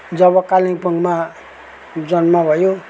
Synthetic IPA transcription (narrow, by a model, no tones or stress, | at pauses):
d͡zʌβʌkalĩŋpʌŋɡma | d͡zʌnmabʱʌjo